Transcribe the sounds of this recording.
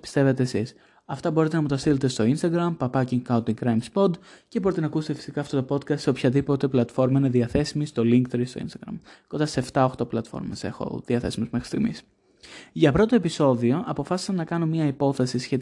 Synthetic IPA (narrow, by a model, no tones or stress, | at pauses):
pi̥st̪e̞ve̞t̪eːsis | ɐft̪ɐbo̞ɾit̪enɐmut̪ɐst̪ilet̪e̞st̪o̞inst̪ɐɡɾɐmpɐpɐciŋkɐunt̪iŋkɾɐjmspo̞d̪ce̞bo̞ɾit̪e̞nɐkuse̥t̪efi̥sikɐft̪o̞t̪o̞po̞t̪̚kɐst̪seopçɐðipo̞t̪e̞plɐt̪fo̞ɾmɐineðiɐθe̞simist̪o̞liŋkt̪ɾist̪o̞ḭnst̪ɐɡɾɐ̰mkond̪ɐseːft̪ɐo̞xt̪o̞plɐt̪fo̞̰ɾmese̞̰xo̰ðiɐθe̞simuzmexɾi̥st̪iɣmis | ʝɐpɾo̞t̪o̞episo̞ðio̞ʔɐpo̞fɐsi̥sɐnːɐkɐnomɲɐipo̞θe̞sisçe̞t̪